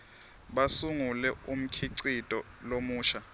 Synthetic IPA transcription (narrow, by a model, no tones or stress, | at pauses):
ɓasuŋulɛum̩kʰiǀitʼɔ | lomuːʃa